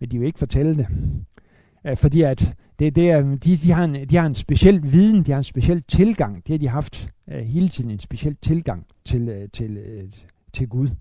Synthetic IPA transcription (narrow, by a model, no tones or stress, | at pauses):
mend̥iʋe̝e̝ɡ̥əfɒ̽t͡sʰel̰əd̥e̝ | fɒ̽d̥ḭːæd̥ | ed̥e̝d̥id̥ihɑ̈e̝nd̥ihɑ̈e̝nsb̥e̝ɕel̰ʋiːð̞ˠn̩d̥ihɑ̈ensb̥e̝ɕel̰t͡sʰe̝lɡ̥ɑ̈ŋ̰d̥ehɑ̈d̥iɦɑ̈fd̥ɦe̝ːlət͡sʰḭð̰ˠn̩ensb̥e̝ɕel̰t͡sʰe̝lɡ̥ɑ̈ŋ̰ | t͡sʰe̝lt͡sʰe̝l | t͡sʰe̝lɡ̥uð̞ˠ